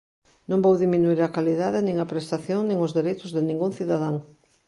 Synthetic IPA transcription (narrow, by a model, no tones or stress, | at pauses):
nõmbowðiminuiɾɐkaliðaðɪnĩŋɐpɾest̪aθjoŋnĩŋʊzðeɾejt̪ʊzðɪnĩŋɡuŋθiðaðaŋ